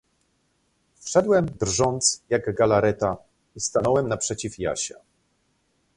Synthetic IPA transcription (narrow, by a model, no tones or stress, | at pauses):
fʂɛd̪wɛmd̪rʐɔnt̪sjaɡɡalaɾɛt̪a | ist̪anɔwɛmnapʂɛt͡ɕifja̰ɕa̰